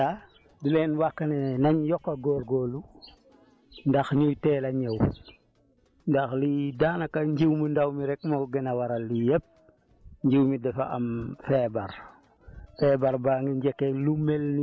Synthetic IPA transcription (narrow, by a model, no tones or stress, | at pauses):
a | dulɛnwakːɐnɛnɐɲjɔkːɐɡɔːɾɡɔːlu | ndɐxɲujtɛːlɐɲɛw | ndɐxlidaːnɐkːɐɲɟiwməndawmiɾɛk̚mɔɡɛnɐwaɾɐlːijɛp̚ | ɲɟiwmidɛfɐ̰ʔɐmfɛbɐr | fɛbɐɾbaŋɡiɲɟɛkːelumɛlni